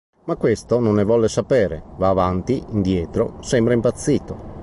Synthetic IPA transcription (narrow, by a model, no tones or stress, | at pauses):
makːwest̪ononːevɔlːesapɛːɾevaːvant̪iind̪jɛːt̪ɾosɛmbɾaimpat̪sːiːt̪o